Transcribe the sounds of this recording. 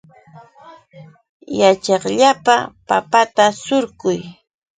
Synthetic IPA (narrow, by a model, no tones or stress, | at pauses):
jat͡ʃɑχʎapa̰papat̪asʊɾkʊj